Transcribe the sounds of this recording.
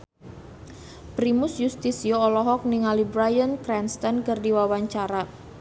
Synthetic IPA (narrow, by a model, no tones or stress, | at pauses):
pɾimʊsjust̪isioɔlɔɦɔk̚niŋalibɾajənkɾɛnst̪ankɨrdiwawaɲt͡ʃaɾa